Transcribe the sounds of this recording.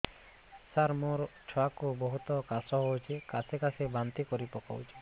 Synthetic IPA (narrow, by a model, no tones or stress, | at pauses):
saɾmoɾt͡ʃʰɔakubɔɦut̪ɔkasɔɦowt͡ʃʰekasekasebant̪ikɔɾipɔka̰wt͡ʃʰi